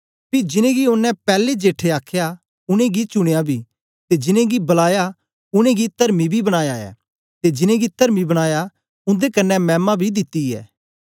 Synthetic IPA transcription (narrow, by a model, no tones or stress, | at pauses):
pid͡ʒɪnẽɡiʊnːɛ̃pɛːled͡ʒeːʈʰeaːkʰja | ʊɽ̃ẽɡit͡ʃʊɽ̃ejabʱi | t̪ed͡ʒɪnẽɡibɐlaːja | ʊɽ̃ẽɡit̪ɐɾmibʱibɐɽ̃aːjaːɛ̰ː | t̪ed͡ʒɪnẽɡit̪əɾmibɐɽ̃aːja | ʊ̃nd̪ekɐnːɛmɛːmːabʱid̪ɪt̪ːiɛ̰ː